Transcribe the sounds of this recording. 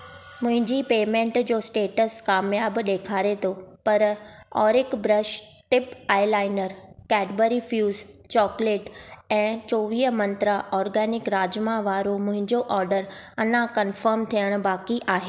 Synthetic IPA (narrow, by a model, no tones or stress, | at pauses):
mʊ̃ɦɪ̃ɲd͡ʑiːpeːmẽːɳʈd͡ʑoːsʈeːʈəskaːmjaːbɗeːkʰaːɾet̪ʰopɐɾ | ɔːɾɪkbɾɐʃ | ʈɪpaːɪlaːɪnəɾkɛːʈbəɾifjuːz | t͡ɕɔːkleːʈɛ̃ːt͡ɕoːʋiːəmɐ̃nt̪ɾaʔɔːɾɡɛːnɪkɾaːd͡ʑmãʋaːɾomʊ̃ɦɪ̃ɲd͡ʑoʔɔːɾɖəɾɐnãkɐnfəɾmt̪ʰijəɽ̃ʊbaːkiʔaːɦeː